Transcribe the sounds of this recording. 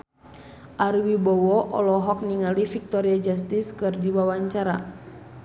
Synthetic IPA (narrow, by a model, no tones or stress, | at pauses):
ʔarwibɔwɔʔɔ̰lɔɦɔk̚niŋalifik̚t̪ɔɾiad͡ʒast̪iskɨrdiwawaɲt͡ʃaɾa̰